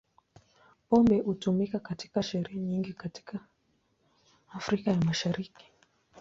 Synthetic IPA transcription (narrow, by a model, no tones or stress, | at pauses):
pɔmbɛhutumikakati̥kaʃɛɾɛɛɲiŋɡikati̥ka | fɾikajamaʃaɾiki̥